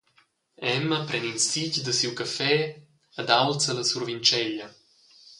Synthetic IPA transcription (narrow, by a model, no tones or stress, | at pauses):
ɛməpɾɛninsicd̪əsiwkəfɛ | əd̪awlt͡sələsurvint͡ʃɛʎə